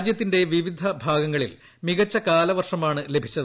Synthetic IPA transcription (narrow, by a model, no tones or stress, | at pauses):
d͡ʑjɐt̪ːinde̞ʋiʋid̪ʱɐbʱaːɡɐŋːɐɭḭl | miɣɐt͡ɕːɐkaːlɐʋɐrʂɐmaːɳɨle̞bʱit͡ɕːɐð